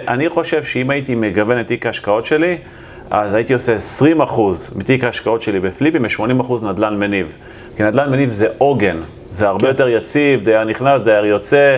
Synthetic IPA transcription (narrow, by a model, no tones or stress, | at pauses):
ʔaniχo̞ʃe̞vʃeimaitimeɡave̞net̪ikaaʃkao̞tʃe̞li | azaitio̞se̞esʁimaχuzmit̪ikaːʃkao̞tʃe̞libeflipimeʃmo̞nimaχuznad̪lanmeniv | kinad̪lanmenivze̞ʔo̞ɡe̞n | zeaʁbe̞jo̞t̪e̞ʁjat͡sivdajaʁniχnasd̪ajaʁjo̞t͡se